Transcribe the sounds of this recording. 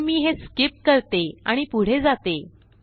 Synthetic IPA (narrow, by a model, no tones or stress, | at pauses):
miːɦeskip̚kəɾt̪ea̰ɽ̃ipuɽ̤ed͡zat̪e